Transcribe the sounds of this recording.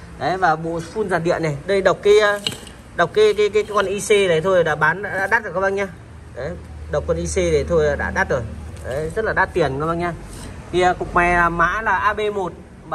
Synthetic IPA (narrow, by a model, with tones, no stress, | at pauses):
ɗə˨˦jvaː˨˩ɓo̰˧˨fu˧nzaː˨˩ɗḭ˧˨ənːə˨˩jɗə˧ɗə˨˩wk͡p̚kaː˨˦jə˧ | ɗə˨˩wk͡p̚kaː˨˦kaː˨˦jkaː˨˦jkkwa˧nʔi˧se˧ɗə˨˩t̪ʰo˧jɗa̰ː˧˥ɓaː˨˦nɗa̰ː˧˥ɗa̰ː˧˥ɗaː˦˥t̚zə˨˩kːɓa̰˧ŋɲaː˧ | ɗə˨˦j | ɗə˨˩wk͡p̚kwa˧nʔi˧se˧ɗ̪e˨˩t̪ʰo˧jɗa̰ː˧˥ɗaː˦˥t̚zo˨˩jɗə˨˦jzə˦˥t̚laː˨˩ɗaː˧˥t̪i˨˩ənkə˧˨˦ɓa˧ŋɲaː˧ | t̪ʰi˨˩ə˧kʊ˨˩k͡p̚ma˨˩jlaː˨˩ma̰ː˧˥laː˨˩ʔaː˧ɓe˧mo˨˩t̚ | ɓa˧